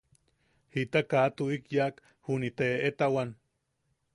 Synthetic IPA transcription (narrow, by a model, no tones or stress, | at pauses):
hit̪akat̪uikjak | hunit̪eet̪awan